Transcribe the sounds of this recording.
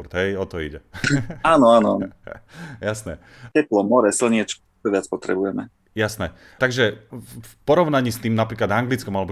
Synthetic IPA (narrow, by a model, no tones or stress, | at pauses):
ɾt̪ɦɛjɔt̪ɔiɟɛaːnɔaːnɔan | jasnɛ | t͡ɕɛplɔmɔɾɛsl̩ɲɪɛt͡ʃ | ɔʋɪat͡spɔt̪ɾɛbujɛmɛ | jasnɛ | t̪aɡʒɛfpɔɾɔʊnaɲiːst̪iːmnapɾiːklad̪aŋɡlit͡skɔmalɛbɔ